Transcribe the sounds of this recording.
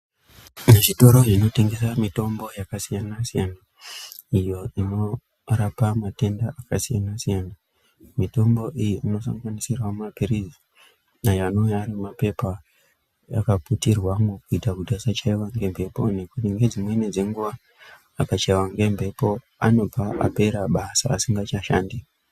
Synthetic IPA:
neʐito̞ɾo̞ʐino̞te̞ŋɡe̞s̬amito̞mbo̞jakasijanasijana | ijo̞ino̞ | rapamate̞ndaʔakasijanasijana | mito̞mbo̞ʔijiʔino̞sa̰ŋɡanisirwamapirizi | ajano̞jarimape̞pa | a̰kaputirwamukuitakudʱasat͡ʃaiwaŋɡe̞mbʱe̞po̞ne̞kutiŋɡe̞d͡zimwe̞ned͡ze̞ŋɡuʋaː | kat͡ʃaiwaŋɡe̞mbʱe̞po̞ | ano̞b͡vʱaʔa̰pe̞ɾaɓasa̰ːsiŋɡat͡ʃaʃaːndi

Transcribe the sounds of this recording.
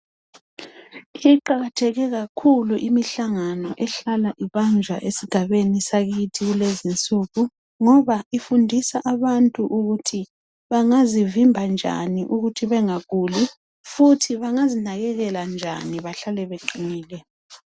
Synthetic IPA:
iǃaɣatʰɛɣɛɣakʰuluʔimiɬaŋanɔʔɛɬalaʔiβand͡ʒʱwa̰ʔesiɡ̥ʱaβenisaɣitʰiɣulezint͡sʼuɣu | ŋɔβaifundʱisaʔaβantʼuʔuɣutʰi | βaŋazivimbʱand͡ʒʱa̰niʔuɣutʰiβɛŋaɣuli | futʰiβaŋazinaɣɛɣɛland͡ʒʱa̰niβaɬalɛβeǃiniːlɛ

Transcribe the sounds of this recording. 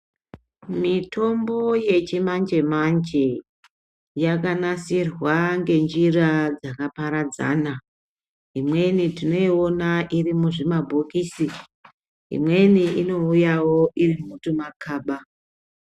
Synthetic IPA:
mitʰo̞mbo̞je̞t͡ʃimand͡ʒe̞mand͡ʒe̞ | jakanasirwaŋɡe̞nd͡ʒirad͡zakapaɾad͡za̰ːna | ɦimwe̞nitino̞io̞naʔirimuʐimabʱokiːsi | ɦḭmwe̞niʔino̞ujawo̞ʔirimumutumakʰaːɓa

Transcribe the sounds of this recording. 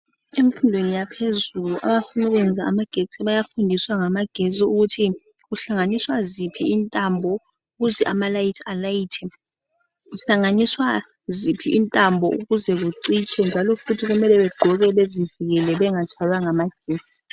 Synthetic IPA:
eɱfundʱwenijapʰezuluʔa̰ɓafunuk̬wɛnd͡zʱaːmaɡ̥ʱesɛɓajafundʱiswaŋamaɡ̥ʱeziuk̬utʰi | k̬uɬaŋaniswazipʰiːntʼambʱɔ | uk̬uzɛʔamalajitʰalajiːtʰɛ | uɬaŋaniswa | zipʰiʔintʼambʱɔʔṵk̬uzɛk̬uǀit͡ʃʰɛnd͡ʒʱalɔfutʰik̬umɛlɛɓɛɡ͡ǃ̥ʱɔk̬ɛɓezivik̬ɛlɛɓɛŋat͡ʃʰalwaŋamaɡ̥ʱeːz̥i

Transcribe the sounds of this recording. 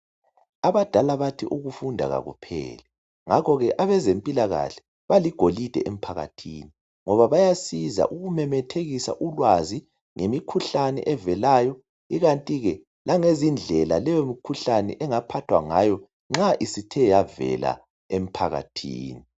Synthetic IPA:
aβad̥ʱalaβatʰiʔuɣufundʱa̰ɣa̰ɣṵpʰɛ̰ːlɛ | ŋakʰɔɣɛʔaβɛzempʼilaɣa̰ɬɛ̥ | βaliɡ̥ʱolid̥ʱɛ̰ʔem̩pʰaɣa̰tʰḭːni | ŋɔβaβajasiza̰ʔuɣumɛmɛtʰeɣisa̰ʔulwazi | ŋemikʰuɬanɛ̰ʔɛvɛlaːjɔ | iɣantʼiɣɛ | laŋezind͡ɮʱɛlalɛjomikʰuɬanɛ̰ʔɛŋapʰatʰwa̰ŋajɔ | ŋ͡ǁaʔisitʰɛjavɛ̰la̰ | em̩pʰaɣa̰tʰḭːni

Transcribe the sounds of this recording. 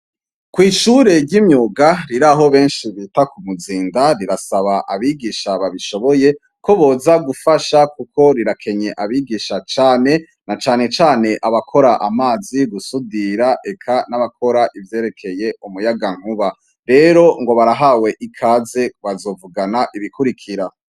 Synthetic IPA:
kwiːʃuɾe̞ɾɟimɲoːɡaɾiɾaɦo̞βe̞ːnʃiβitakumuziːndaɾiɾasaβaʔaβiɡiʃaβaβiʃo̞βo̞je̞ | ko̞βo̞ːzaɡufaʃakuko̞ɾiɾakʰe̞ɲe̞ʔaβiɡiːʃat͡ʃaːne̞ | nat͡ʃaːne̞t͡ʃaːne̞ʔaβakʰo̞ɾaʔamaːziɡusudiɾaʔe̞kʰanaβakʰo̞ɾaʔivje̞ːɾe̞kʰe̞je̞ʔumujaɡaŋ̥uβa | ɾe̞ɾo̞ŋɡo̞βaɾaɦawe̞ʔikʰaːze̞βazo̞vuɡanaʔiβikuɾikʰiɾa

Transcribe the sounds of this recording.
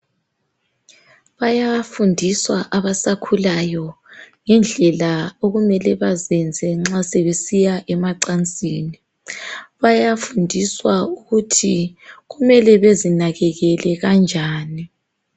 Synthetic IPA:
βajafundʱiswaʔaβasakʰulajɔ | ŋɛnd͡ɮʱɛlaoɣumɛlɛβazɛnd͡zʱɛŋ͡ǁasɛβesijaʔɛmaǀant͡sʼiːni | βajafundʱiswauɣutʰiɣumɛlɛβezinaɣɛɣɛlɛɣand͡ʒʱaːni

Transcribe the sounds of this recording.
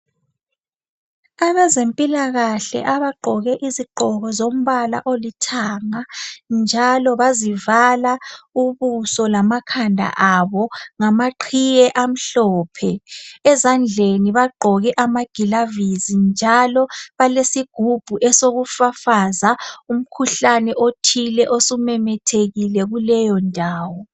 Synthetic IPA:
aβɛzempʼilaɣaɬɛ̰ʔaβaɡ͡ǃʱɔɣɛʔiziɡ͡ǃʱɔɣɔzom̩βala̰ʔolitʰaːŋand͡ʒʱalɔβazivalauβusɔlamakʰandʱa̰ʔaβɔŋamaǃʰijɛʔam̩ɬɔːpʰɛɛzand͡ɮʱeniβaɡ͡ǃʱɔɣɛʔamaɡ̥ʱilavizind͡ʒʱalɔβalesiɡ̥ʱub̥ʱuʔɛsoɣufafazaum̩kʰuɬanɛʔotʰilɛʔosumɛmɛtʰeɣilɛɣulɛjɔndʱaːwɔ

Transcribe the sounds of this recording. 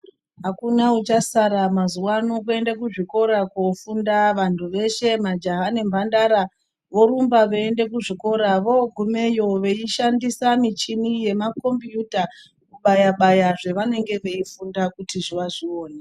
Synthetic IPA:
ɦakunaut͡ʃasaɾamazuwano̞k̬uendekuʐiko̞ɾakofundaʋantʰuʋe̞ʃe̞mad͡ʒaɦanembʱandaɾa | ʋo̞ɾumbaʋeende̞k̬uʐiko̞ɾaʋo̞ɡʱume̞jo̞ʋe̞iʃandisamit͡ʃinije̞mako̞mbjuta | kuɓajaɓajaʐe̞ʋane̞ŋɡe̞ʋe̞ifundakutiʐiʋaʐio̞ːne

